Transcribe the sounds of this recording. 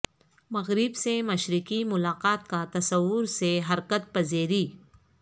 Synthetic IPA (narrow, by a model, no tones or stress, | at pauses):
mɐɣɾɪbsemɐʃɾɪkimʊlaːqaːt̪̚kat̪ɐsɐwːʊɾseɦɐɾkət̪̚pɐzeːɾiː